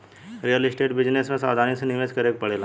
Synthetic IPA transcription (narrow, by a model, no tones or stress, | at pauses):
ɾijəlɪsʈeːʈbɪd͡ʒnesmẽsaːd̪ʱaːnisenɪʋeːskɐɾeːk̚pɐɽeːla